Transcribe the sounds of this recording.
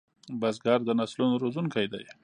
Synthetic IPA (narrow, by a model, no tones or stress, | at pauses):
basɡaɾd̪ənaslunoɾozunkajd̪a̰j